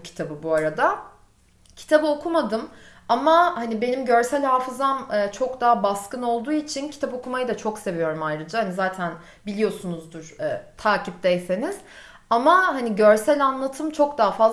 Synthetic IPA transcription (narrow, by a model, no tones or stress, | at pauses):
cʰi̥t̪ʰabɯbuaɾad̪a | cʰi̥t̪ʰabɯo̞kʰumad̪ɯm | amahanibe̞nimɟøɾsælʲhaːfɯzamɯːt͡ʃʰo̞kd̪aɦabaskɯno̞lˠd̪uːit͡ʃʰincʰi̥t̪ʰapo̞kʰumajɯd̪at͡ʃʰokse̞vijo̞ɾumajɾɯd͡ʒahanizaːt̪ʰæn | bilʲijo̞sunuzd̪uɾɛːt̪ʰaːcʰip̚d̪ɛjse̞niz̥ | amahaniɟøɾsælʲanlˠat̪ʰɯmt͡ʃʰo̞kd̪aɦafaz